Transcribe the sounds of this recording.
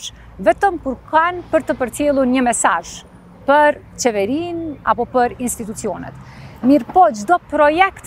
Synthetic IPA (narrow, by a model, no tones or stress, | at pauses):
vɛt̪əmkuɾkanpəɾt̪əpəɾt̪jɛlˠuɾɲəmɛsa̰ʒ | pəɾ | t͡ʃɛvɛɾina̰pɔpəɾinst̪it̪̬ut͡siɔnɛ̰t̪miɾpɔd͡ʒd̪ɔpɾɔjɛkt̪